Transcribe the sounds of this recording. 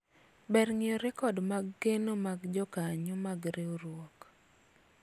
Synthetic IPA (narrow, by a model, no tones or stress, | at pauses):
bɛɾŋɪɔɾɛkɔdmaɡːenomaɡd͡ʒɔkaɲʊmaɡɾeoɾwɔk